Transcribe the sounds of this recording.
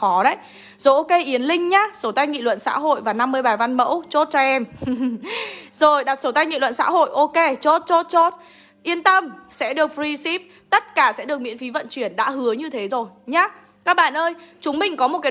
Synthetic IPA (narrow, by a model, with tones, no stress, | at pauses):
ɔ˨˦ɗə̰˧˦˥j | zo̰˧˥ʔo˧ke˧ʔi˨˦ənlï˧ŋ̟ɲaː˨˦so˧˩wt̪a˧jŋḭ˧˨lwə̰˧˨nsa̰ː˧˥ɦo̰˧˨jvaː˨˩na˧mːɨ˧əjɓaː˨˩va˧nmə̰˧˥wt͡ɕo˦˥t̚t͡ɕɔ˧ʔɛ˧m | zo˨˩jɗa˨˩t̚sə˧˩t̪a˧jŋḭ˧˨lwə̰˧˨nsa̰ː˧˥ɦo̰˧˨jʔo˧ke˧t͡ɕo˦˥t̚t͡ɕo˦˥t̚t͡ɕo˦˥t̚ | ʔi˧ənt̪ə˧msɛ̰˧˥ɗɨ˨˩ək̚fɹi˧si˦˥p̚ | t̪ə˦˥t̚kaː˧˩sɛ̰˧˥ɗək̚mḭ˧˥nfi˨˦və̰˧˨nt͡ɕwi˧˩ənɗa̰ː˧˥hɨ˨˦əɲɨ˧t̪ʰe˨˦zo˨˩jɲaː˨˦ | kaː˦˥k̚ɓa̰ː˧˨nʔəː˧jt͡ɕʊ˨˦ŋ͡mmï˨˩ŋ̟kɔ˨˦mo˨˩t̚kaː˨˦